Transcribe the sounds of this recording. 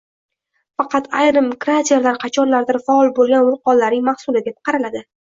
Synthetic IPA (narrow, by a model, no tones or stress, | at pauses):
fɑqʰɑt̪ʰajɾɨmkɾat̪ʰeɾlaɾqʰɑt͡ʃʰɒnlaɾd̪ɪɾfaɒlˠbolˠɡʲanʊlˠq̚ɒnlːaɾnɪŋmahsʊlɪd̪ep̚qʰɑɾalad̪ɪ